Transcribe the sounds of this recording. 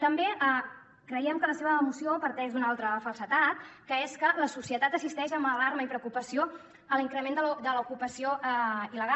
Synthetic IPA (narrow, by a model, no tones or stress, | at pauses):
t̪əmbeə | kɾəiəmkələseβəːmusiopəɾt̪ɛʒd̪unalˠt̪ɾəfəlˠsət̪at̪kəeskələsusiət̪at̪əsist̪ɛʃəmbəlaɾməipɾəukupəsio | əliŋkɾəmend̪əld̪ələukupəsioʔiləɣa